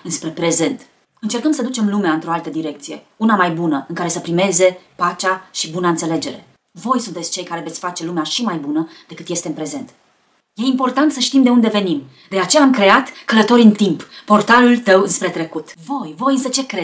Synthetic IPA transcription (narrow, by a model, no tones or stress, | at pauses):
ɨnspɾe̞pɾe̞ze̞nt̪ | ɨnt͡ʃe̞rkəmsəd̪ut͡ʃe̞mlumeaɨnt̪ɾo̞alt̪əd̪iɾe̞k̚t̪sije̞̰ | unamajbunəɨŋkaɾe̞səpɾime̞ze̞pat͡ʃaʃibunaɨnt̪se̞le̞d͡ʒe̞̰ɾe̞̰ | vo̞jsunt̪e̞tsʲt͡ʃe̞jkaɾe̞ve̞t̪sʲfat͡ʃe̞lumeaʃimajbunəd̪e̞kɨt̪je̞st̪eɨmpɾe̞ze̞nt̪ | je̞impo̞rt̪ant̪səʃt̪imd̪e̞und̪e̞ve̞nim | d̪e̞at͡ʃe̞jaːmkɾe̞at̪kələt̪o̞ɾʲiɨnt̪impːo̞rt̪alult̪əwɨnspɾe̞t̪ɾe̞kut̪vo̞jvo̞jɨnsət͡ʃe̞kɾe